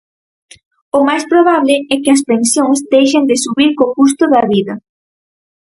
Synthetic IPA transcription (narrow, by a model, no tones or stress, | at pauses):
ʊmajspɾoβ̞aβlɪɛkɪɐspẽnsjõŋzd̪ejʃend̪ɪsuβiɾkokust̪ʊðɐβiðɐ